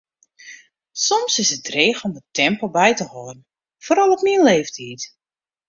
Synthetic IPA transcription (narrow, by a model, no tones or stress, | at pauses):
sɔmsɪsətreːxɔmətʰɛmpl̩ˠbɛjtəhoːrn̩ | foːɾɔlˠɔpmiənleːftʰiːt